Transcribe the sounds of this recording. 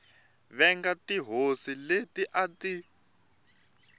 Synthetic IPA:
βɛŋɡatiɦosiletiʔati

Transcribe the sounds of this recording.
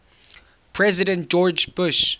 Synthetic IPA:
pʰɹɛzɪdɛ̃ntd͡ʒɔd͡ʒbʊʃ

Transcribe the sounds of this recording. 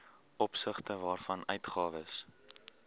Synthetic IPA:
ʔɔpsəχtəvɑːrfɐnœɥtχɑːvəs

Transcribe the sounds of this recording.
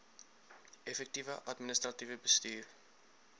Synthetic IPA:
ɛfɛk̚tivəʔɐtminəst̪rɐtivəbəstyːr

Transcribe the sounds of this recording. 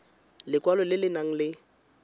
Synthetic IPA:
lɪkwalɔlɪlɪnaŋ̩lɪ

